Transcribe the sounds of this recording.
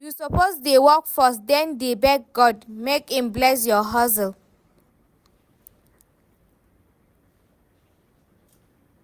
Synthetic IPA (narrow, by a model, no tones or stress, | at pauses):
jusɔpozdewɔkfɔsdɛ̃ndebɛk̚ɡɔdmekĩmblɛs̬jɔɦɔs̬əl